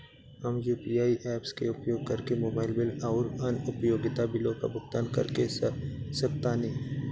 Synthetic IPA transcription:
ɐmjuːpiaːiʔɛːpskḛʊpjoːɡ̚kɐɾkemoːbaːɪlbɪlaʊɾɐnʊpjoːɡɪt̪abɪlõka̰bʊɡt̪aːnkɐ̰ɾkesɐkt̪anɐĩː

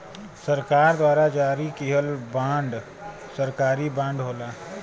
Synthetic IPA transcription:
səɾkaːɾd̪waːɾad͡ʒaːɾikiɦəlbãːɳɖ | səɾkaːɾibãːɳɖɦoːlaː

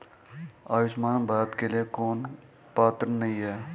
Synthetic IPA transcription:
aːʋɪsmaːnbaːt̪kelijekoːn | paːt̪əɾnɐĩɦɛː

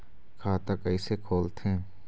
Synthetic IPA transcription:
kʰaːt̪ɐkɐɪsekʰoːlt̪ʰẽː

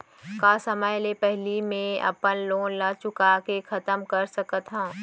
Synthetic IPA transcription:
kaːsəməjlepɛɦlimẽɐ̰pənlõːnlaːt͡ʃʊkakekʰɐt̪əmkɐɾsɐkət̪ɦãː

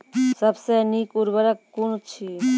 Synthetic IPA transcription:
səbsenikʊɾbəɾəkːunt͡ʃʰi

